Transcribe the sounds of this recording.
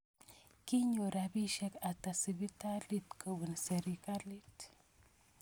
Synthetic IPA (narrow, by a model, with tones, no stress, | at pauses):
ki˦ɲo˨ɾa˨bi˦ʃe˦ka˨ta˨si˨bi˦ta˦li˦tkə˨wu˨nse˨ɾika˦li˦t